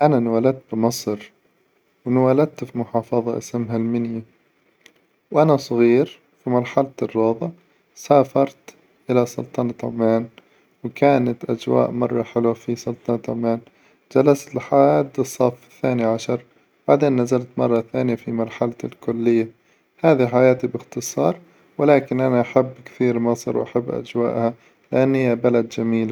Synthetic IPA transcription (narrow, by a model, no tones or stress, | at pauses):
ʔananwaːlad̪̚t̪̚bɪmɨsˤɾ | wnwalad̪̚t̪fimʊħɑːfɑðˤɑʔɪ̰smɦalmɪnja | wʔanasˤɣiːɾ | fimɑɾˤħalat̪rˤːɑːðˤɑ | saːfɑɾˤt̪ | ʔɪlasˤʊ̰lt̪ˤɑnɑt̪ʕmaːn | wɪkaːnat̪ʔa̰d͡ʒwa̰ːʔmɑrˤːɑħɪlwafisˤʊlt̪ˤɑnɑt̪ʕa̰maːn | d͡ʒalast̪ɪlħaaːd̪ɨsˤːɑfɪθːaːniʕaʃɑɾˤ | baʕd̪eːnːazalt̪mɑrˤːɑθaːnɪjafimɑɾˤħalaɪlkʊlːɪjːa | haːðiħajaːt̪ibɪxt̪ɨsˤɑːɾˤ | wɪlaːkɪnʔanaʔaħabːkθiːɾmɑsˤɑ̰ɾwʔa̰ħabːʔa̰d͡ʒwa̰ːʔha | lɪʔanːhɪjːabalad̪d͡ʒamiːl